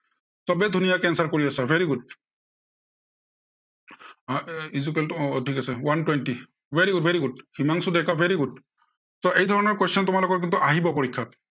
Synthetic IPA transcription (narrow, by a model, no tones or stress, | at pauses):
sɔbɛdʱunijakɛnsaɹkoɹiasɛbʱeɹiɡud̚ | izukeltʰikasɛwantwenti | bʱeɹiɡutbʱeɹiɡud̚himaŋsudɛkabʱeɹiɡud̚ | sɔʔejdʱɔɹɔnɔɹkɔst͡ʃʰɔntʊmalɔkɔtk̬int̪uʔaɦibɔpɔɹikʰːa